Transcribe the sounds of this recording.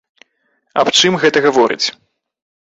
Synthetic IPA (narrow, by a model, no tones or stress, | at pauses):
ɐ̰pt͡ʂɨmɣɛt̪ɐɣavɔɾɨ̰t͡sʲ